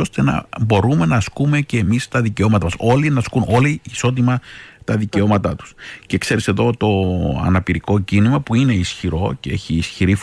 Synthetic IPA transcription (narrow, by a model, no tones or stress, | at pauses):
o̞st̪e̞nɐ̰bo̞ɾume̞nɐskume̞ce̞ːmist̪ɐðice̞o̞mɐt̪ɐmɐso̞linɐskunʔo̞liiso̞t̪̬imɐt̪ɐðice̞o̞mɐt̪ɐt̪u̥sce̞kse̞ɾise̞ðo̞t̪o̞ɐ̰nɐpiɾiko̞cinimɐpuine̞isçiɾo̞ceeçiːsçiɾif